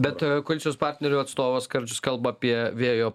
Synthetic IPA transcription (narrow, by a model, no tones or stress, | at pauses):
bʲɛt̪koɔlʲɪt͡sʲjoːspɑːɾʲt̪ʲnʲɛɾʲuːɐt̪st̪oːʋɐskɐɾʲd͡ʒʲʊskɐlˠbɐɐːpʲiɛʋʲeːjoː